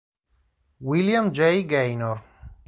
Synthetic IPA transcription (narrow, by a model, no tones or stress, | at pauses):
wiljamd͡ʒɛjɡejnor